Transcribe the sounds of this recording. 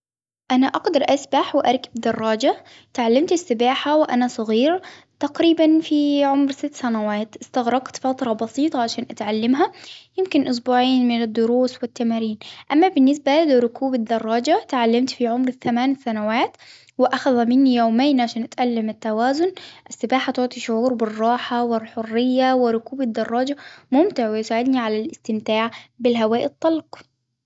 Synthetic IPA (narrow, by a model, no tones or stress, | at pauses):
ʔanaʔɑɡd̪ɑɾˤʔasbaħwɪʔɑɾˤkɪbd̪ɑrˤːɑːd͡ʒa | t̪ʕalːamt̪ɪsːɪbaːħawɪʔanasˤɑɣiːɾ | t̪ɑqɾiːbanfiʕʊmɾsɪt̪ːsanawaːt̪ʔɪst̪aɣɾˤɑɡt̪fat̪ɾˤɑbɑsˤiːt̪ˤɑʕaʃaːnʔat̪ʕalːamɦajɪmkɪnʔʊs̬buːʕiːnmɪnɪd̪ːʊɾuːswɪt̪ːamaːɾiːnʔamːabɪnːɪs̬balɪɾˤʊkuːbɪd̪ɑrˤːɑːd͡ʒat̪ʕalːamt̪fiʕʊmɾθamaːnsanawaːt̪ | wɪʔaxaðamɪnːijoːmeːnʕaʃaːnʔat̪ʔalːamɪt̪ːawaːzʊnʔɪsːɪbaːħat̪ʊʕt̪ˤiʃʊʕuːɾbɪrˤːɑːħawɪlħʊrːɪjːawɪrɾʊkuːbad̪ːɑrˤːɑːd͡ʒamʊmt̪ɪʕwɪjsaːʕɪd̪niʕalalɪst̪ɪmt̪aːʕbɪlɦawaːʔɪt̪ˤːɑlq